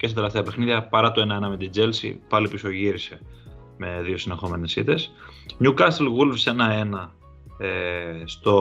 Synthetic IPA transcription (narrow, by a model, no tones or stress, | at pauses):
cest̪t̪eleft̪eɐpexniðʝɐpɐɾɐt̪ue̞nɐe̞nɐmet̪id͡ze̞lsḭpɐlipiso̞ʝiɾise̞ | me̞ðio̞sinexo̞me̞nesit̪es | ɲukɐst̪elɣulfse̞nɐe̞nɐ | est̪o̞